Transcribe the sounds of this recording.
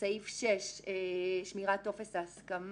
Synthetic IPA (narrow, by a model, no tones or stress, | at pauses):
saifʃeʃeʃmiʁatːofesaskam